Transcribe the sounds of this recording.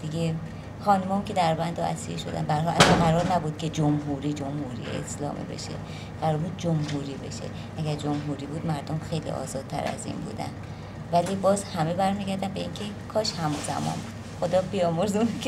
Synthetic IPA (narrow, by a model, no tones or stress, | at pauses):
d̪̥iɡe | xɒːnumɒːcʰe̞d̪æɾbænd̪ɒæ̰siɾeʃo̞̰d̪æ̰nbæɾɦɒlʔæsɒnɢæɾɒːɾnæbuːd̪̥̚cʲʰe̞d͡ʒomɦuːɾiːd͡ʒomhuɾḭjḛḛslɒ̰ːmʔḭbe̞̰ʃḛ | ɢ̥æɾɔɾbuːd̪̚d͡ʒomɦuːɾiːbe̞̰ʃḛ | ʔæɡæɾd͡ʒo̞mɦuɾiːbuːd̪mæɾd̪omxejlḭːɒ̰ːzɒːdt̪̚t̪ʰæ̰ɾæ̰zḭːnbṵːd̪æ̰n | væliːbɒːzhæme̞bæɾmiːɟæɾd̪ænbe̞iːncʰe̞ | kʰɒːʃhæmuzæ̰mɒ̰nbud̪xod̪ɒːbijɒːmoɾzunk